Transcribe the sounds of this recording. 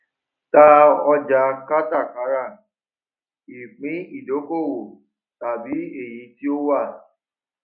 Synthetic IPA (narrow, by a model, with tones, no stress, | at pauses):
ta˦˧ɔ˧d͡ʒa˧ka˦ta˦˨ka˨˦ɾa˦˨ | i˨k͡pĩ˨˦i˦˨do˨˦ko˦˨wo˨ | ta˨bi˨˦e˦˨jĩ˨˦ti˦o˦wa˦˨